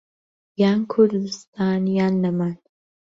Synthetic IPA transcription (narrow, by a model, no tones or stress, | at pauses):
jaːnkʰʊɾd̪ɨst̪ʰaːnjaːnːɐmaːn